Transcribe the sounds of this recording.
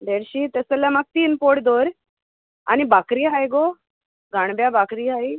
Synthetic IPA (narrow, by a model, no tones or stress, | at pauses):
d̪eɾɕit̪əsəljamaɡ̚t̪iːnpoʈd̪oɾ | a̰ñibakɾiːɦajɡo | ɡʱaɳ̃bjabakɾiːɦaj